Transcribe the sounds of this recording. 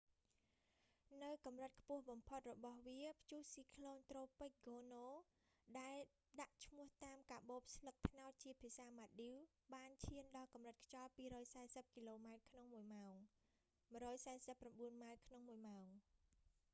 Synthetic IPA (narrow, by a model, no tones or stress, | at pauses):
nɨwkɑmrət̪̚kʰpʊ̆əhɓɑmpʰot̪̚rɔɓɑhʋiəpʰt͡ɕuːhsiːkʰloːnt̪roːpɨc̚ɡoːnoː | ɗaɛl | ɗaʔt͡ɕʰmʊ̆əht̪aːmkaːɓoːp̚slək̚t̪ʰnaɔt̪̚t͡ɕiəpʰiəsaːmat̪̚ɗiw | ɓaːnt͡ɕʰiənɗɑːlkɑmrət̪̚kʰt͡ɕɑlpiːɾɔːjsaɛsəp̚kiːloːmaɛt̪̚kʰnoŋmuəjmaɔŋ | mrɔːjsaɛsəpːramɓuənmaɛt̪̚kʰnoŋmuəjmaɔŋ